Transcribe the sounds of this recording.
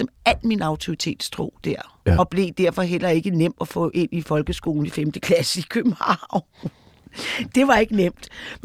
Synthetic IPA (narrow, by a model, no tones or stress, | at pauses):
ɒ̽mæl̰minɑ̈ʊt͡sʰo̝ʁit͡sʰe̝̰ːd̥st͡sʰʁo̝̰ːd̥æɐ̰ | ɒ̽b̥le̝d̥æɐ̰fɒ̽ɦel̰ɐe̝ɡ̥ənem̰d̥ɒfɔ̰̽ʔe̝nifɒ̽lɡ̥əsɡ̥o̝ːln̩̥ifemd̥əkʰlæsəikʰøb̥m̩hɑ̰̈ʊ̰n | d̥e̝ʋɑ̈e̝ɡ̥ənem̰d̥